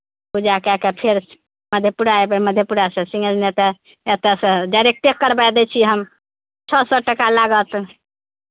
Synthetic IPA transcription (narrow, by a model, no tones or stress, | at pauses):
bud͡ʒakɛkepʰeɾ | məd̪ʱjepuɾaebeməd̪ʱjepuɾasə̃sĩŋɡəd͡ʒnet̪ɛ | et̪esəd͡ʒaɾek̚t̪ekːəɾbad̪ɛt͡ʃʰiɦəm | t͡ʃʰɔsɔʈəkalaɡət̪